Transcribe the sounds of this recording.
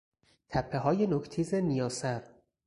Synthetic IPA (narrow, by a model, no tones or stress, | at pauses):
t̪ʰæpʰːeɦɒːje̞nokʰt̪ʰiːzenijɒːsæɾ